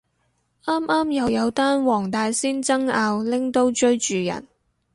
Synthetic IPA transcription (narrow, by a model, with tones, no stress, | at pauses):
ʔaː˥maː˥mjɐ˨˧wjɐ˨˧wt̪aː˥nwɔː˨˩ŋt̪aː˨˧jsiː˥nt͡sɐ˥ŋaː˧wlɪ˨˥ŋt̪o˥wt͡ʃɵ˥ɥt͡ʃyː˨jɐ̰˨˩n